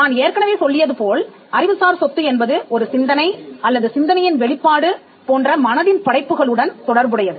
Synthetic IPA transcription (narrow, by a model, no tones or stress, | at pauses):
naːneːɾkɐɳɐʋeːsɔlːɪjɐðɯpoːl | ɐɾɪʋɯsaːɾsɔt̪ːɯɛnbɐðɯɔɾɯsɪnd̪ɐnɐɪɐlːɐðɯsɪnd̪ɐnɐjɪnʋɛɭɪpːaːɽɯ | poːndrɐmɐnɐðɪnpɐɽɐɪpːɯɣɐɭɯɽɐnt̪ɔɽɐɾbɯɽɐjɐðɯ